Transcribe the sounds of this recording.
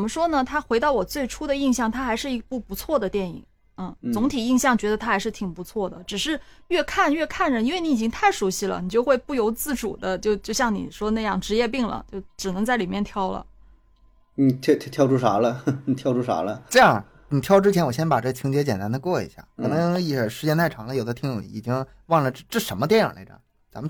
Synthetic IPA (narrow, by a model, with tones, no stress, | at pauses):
t͡sə˨˩mə˦ʂwɔ˥nə˨t̪ʰa˥xwe˧˥ɪt̪ɑ˥˩ʊwɔ˨˩t͡swe˥˩ɪʈ͡ʂʰu˥d̪ə˨i˥˧ŋɕjɑ˥˩ŋt̪ʰa˥xa˧˥ɪʂɻ̩˥˩˧pu˥˩pu˧˥t͡sʰwɔ˥˩d̪ə˩t̪jɛ˥˩nḭ˨˩˦ŋ | n̩˥˩t͡sʊ˧˥ŋt̪ʰi˨˩i˥˧ŋɕjɑ˥˩ŋt͡ɕɥɛ˧˥d̪ə˧t̪ʰa˥xa˧˥ɪʂɻ̩˥˩t̪ʰi˨˩ŋpu˧˥t͡sʰwɔ˥˩d̪ə̰˩ʈ͡ʂɻ̩˨˩ʂɻ̩˥˧ɥɛ˥˧kʰa˥˩˧nɥɛ˥˧kʰa˥˩nɻə˧˩i˥nwe˥˩ɪni˧˥i˨˩t͡ɕi˥ŋt̪ʰa˥˩ɪʂu˧˥ɕi˥˩lə̰˩ni˨˩t͡ɕjo˥˧ʊxwe˥˧ɪpu˥˩jo˧˥ʊt͡sɹ̩˥˩ʈ͡ʂṵ˨˩d̪ə˦t͡ɕjo˥˧ʊt͡ɕjo˥˧ʊɕjɑ˥˩ŋnḭ˨˩ʂwɔ˥na˥˧jɑ˥˩ŋʈ͡ʂɻ̩˧˥jɛ˥˧p̬i˥˩ŋlə̰˩t͡ɕjo˥˩ʊʈ͡ʂɻ̩˨˩ɤ˧˥ŋt͡sa˥˩ɪli˨˩mjɛ˥˩˧nt̪ʰjɑ˥ʊlə̰˩ | ni˨˩t̪ʰt̪ʰjɑ˥˧ʊʈ͡ʂʰu˥˩ʂa̰˧˥lə˧˨t̪ʰjɑ˥˧ʊʈ͡ʂʰu˥˩ʂa̰˧˥lə˧ʈ͡ʂɤ˥˧jɑ˥˩ | n˨˩t̪ʰjɑ˥ʊʈ͡ʂɻ̩˥t͡ɕʰɛ˧˥nwɔ˨˩ɕjɛ˥npa˨˩ʈ͡ʂɤ˥˩t͡ɕʰi˧˥ŋt͡ɕʰjɛ˧˥t͡ɕjɛ˨˩nt̪a˥nd̪ə˧kwɔ˥˩ḭ˧˥ɕja̰˥˩kʰɤ˨˩nɤ˧˥ŋi˥˩ə˨˩ʂɻ̩˧˥t͡ɕjɛ˥nt̪ʰa˥˩ɪʈ͡ʂʰɑ˧˥ŋlə˧jo˨˩ʊd̪ə˦t̪ʰi˧˥ŋɻo˨˩˦ŋḭ˧˥˩i˨˩t͡ɕi˥ŋ | wɑ˥˩ŋlə˩ʈ͡ʂʈ͡ʂ̩˥˩ʂə˧˥mə˧t̪jɛ˥˩nə̰˨˩lḛ˧˥ʈ͡ʂə̰˩ | t͡sa̰˧˥mə˧